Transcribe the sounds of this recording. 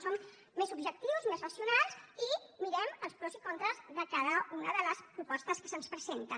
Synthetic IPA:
somː | ezubʒək̚t̪iwzmezrəsiunalˠzimiɾɛməlˠspɾɔsikont̪ɾəzðəkaðəunəðələspɾupɔst̪əskəsənspɾəzent̪ə

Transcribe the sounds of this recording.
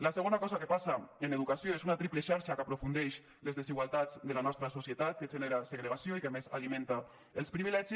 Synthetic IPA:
laseɣ̞onakɔzakepasaeneðukasjoezunat̪ɾipleʃaɾʃakapɾofund̪eʃ | lezðeziɣwalˠt̪ad͡zd̪elanɔst̪ɾasosjet̪at̪̚keʒeneɾaseɣɾeɣasjoikemezalimẽnt̪a | elˠspɾiβilɛʒi

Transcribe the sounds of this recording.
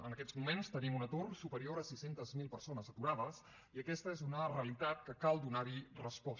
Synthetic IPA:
ənəkɛd͡zmumenst̪ənimunət̪orsupəɾioɾəsisent̪əzmilˠpəɾsonəzət̪uɾaðəs | iəkɛst̪əezunərəəlit̪at̪̚kəkalˠd̪unaɾirəspɔs

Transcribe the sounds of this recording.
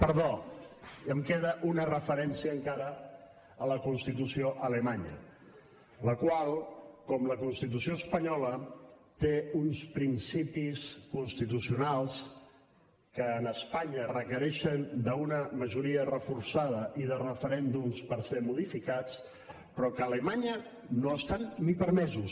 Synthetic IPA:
pəɾðo | əmkeðəʔunərəfəɾɛnsiəːŋkaɾə | ələkunst̪it̪usioʔələmaɲə̰ | ləkwalˠkɔmləkunst̪it̪usioəspəɲɔlət̪eunspɾinsipiskunst̪it̪̬usiunalˠs | kəːnəspaɲərəkəɾɛʃənd̪əunəməʒuɾiərəfuɾsaðəʔiðərəfəɾɛnd̪umspəɾsemuðifikat͡s | pɾɔkəːləmaɲə | noəst̪anːipəɾmɛzus

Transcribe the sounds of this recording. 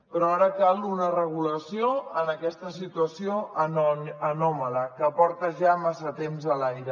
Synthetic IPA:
pɾɔaɾəkalˠunərəɣ̞uləsioənəkɛst̪əsit̪uəsioənənɔmələkəːpɔɾt̪əʒamasət̪emzəlajɾə

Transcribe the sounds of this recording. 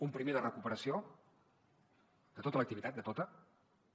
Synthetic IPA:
umpɾimeðərəkupəɾəsio | d̪̥ət̪ot̪ələk̚t̪iβit̪at̪̚d̪ət̪ot̪ə

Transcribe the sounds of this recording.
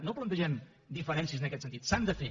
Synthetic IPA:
noplənt̪əʒɛm | d̪ifəɾɛnsiəzənəkɛt̪sənt̪it̪sand̪əfe

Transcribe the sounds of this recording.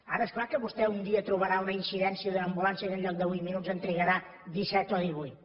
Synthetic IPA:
a̰ɾəesklˠakəβust̪ɛund̪iət̪ɾuβəɾaunəinsiðɛnsiəðəəmbulansəzənʎɔk̚d̪əβujt̪minud͡zənt̪ɾəɣəɾa | d̪isɛt̪ɔðiβujt̪

